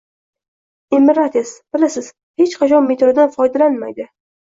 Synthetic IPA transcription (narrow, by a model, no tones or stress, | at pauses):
emɪɾat̪ʰesb̥ɪlasɪz̥ | he̞t͡ʃqʰɑt͡ʃʰɒnme̞t̪ɾod̪anfɒjd̪alanma̰jd̪ɪ